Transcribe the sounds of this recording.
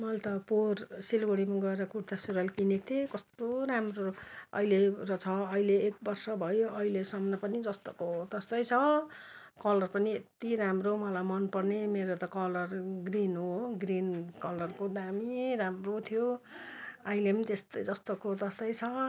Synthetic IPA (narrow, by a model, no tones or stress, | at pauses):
mʌlt̪ʌporsilɡoɽimaɡʌeɾʌkuɽt̪asuɾʌlkinet̪ʰekʌst̪oɾamroʌ̰ilerʌt͡sʰʌʌileːk̚bʌrsʌbʱʌjoʌɦilesʌmnʌpʌnid͡zʌst̪okot̪ʌst̪ʌjt͡sʰʌ | kʌlʌrpʌniet̪iɾamromʌlamʌnpʌrnemeɾot̪ʌkʌlʌrɡrinɦoɡrinkʌlʌrkod̪amiɾamrot̪ʰijo | ʌilemit̪est̪ʌjd͡zʌst̪okot̪ʌst̪ʌjt͡sʰʌ